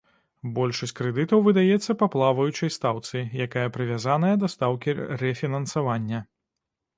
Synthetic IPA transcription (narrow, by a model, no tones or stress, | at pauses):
bɔlʲʂɐsʲt͡sʲkɾɛd̪ɨt̪ɐwvɨd̪ajɛt̪sːɐpaplˠavɐjut͡ʂɐjst̪awt̪sɨjakajɐpɾɨvʲazan̪ɐjɐd̪ɐst̪awkʲirɛfʲinɐnsavanʲːɐ